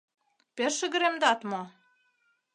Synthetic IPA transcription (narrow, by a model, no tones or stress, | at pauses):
peʃə̆ɣə̆ɾemd̪ɑt̪mo